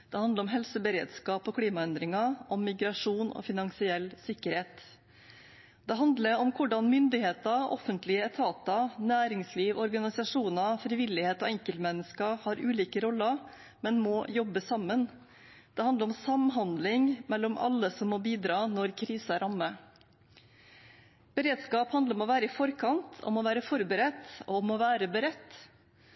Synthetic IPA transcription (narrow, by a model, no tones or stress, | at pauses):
d̪̥ɛhɑnd̪əɾɔmɦɛlsəbəɾḛːd̪skɑːpɔkʰliːmɑɛnd̪ɾɪŋɑʔɔmːɪɡɾɑʂuːnɔ̰fɪnɑŋsɪɛlsɪkːəɾheːt̪ | d̪ɛɦɑnd̪ləɾɔmkʰʊɖɑnmʏnd̪ɪheːt̪ɑʔɔ̰fənt̪lɪəɛt̪ʰɑːt̪ɑnæːɾɪŋsliːʋɔɾɡɑnɪsɑʂuːnɑfɾɪʋɪlːɪheːt̪ɔɛŋkəlt̪mɛnːəskəhɑːɾʉːliːkəɾɔlːə | mɛnmɔjɔbːəsɑmːən | d̪̥ɛhɑnd̪əɾɔmsɑmɦɑnd̪lɪŋmɛlːɔmʔɑ̰lːəsɔmːɔbiːd̪ɾɑːnɔɾkʰɾiːsəæɾɑmːə | b̥əɾeːd̪skɑːphɑnd̪əɾɔmɔʋæːɾəɪfɔɾkʰɑnt̪ʰɔ̰mɔʋæːɾəfɔɾbəɾɛt̪ːɔ̰ɔmɔʋæːɾəbəɾɛt̪ː